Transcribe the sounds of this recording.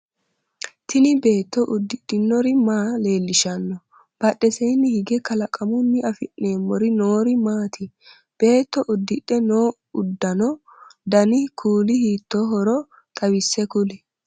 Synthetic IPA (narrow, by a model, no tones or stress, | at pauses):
t̪ɪnɪbe̞ːt̪ːɔʔʊd̪ːɪɗːɪnːɔɾɪmaːle̞ːlːɪʃɐnːɔ | b̥ɐɗɛsɛjnːɪhɪɡɛkɐlɐkʼɐmʊnːɪɐfɪnːeːmːɔɾɪnoːɾɪmaːt̪ɪ | b̥e̞ːt̪ːɔʔʊd̪ːɪᶑːɛnoː | ʊd̪ːɐnɔ | d̪ɐnɪkʰuːlɪhiːt̪ːɔɦɔɾɔ | t̪ʼɐwɪsːɛkʊlɛ